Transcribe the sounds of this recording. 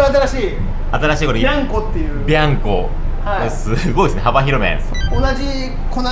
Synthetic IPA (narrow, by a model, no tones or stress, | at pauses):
at̪aɾaɕiː | at̪aɾaɕiːkoɾoãŋkot̪ːejɯbʲãŋko | ha | sɨɡo̞id̪sɨnehabaçiɾomḛ̃ | onad͡ʑi | kona